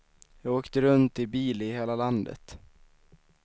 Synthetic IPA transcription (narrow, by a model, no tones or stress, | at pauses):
jɑːɡoːkt̪əɾɵnt̪ɪbiːlɪheːlaland̪ə̰t̪